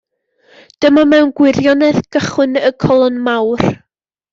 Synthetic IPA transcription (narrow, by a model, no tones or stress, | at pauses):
d̥əmamɛwnɡwɪrjɔnɛðɡ̥əχwɨnəkʰɔlˠɔnmawr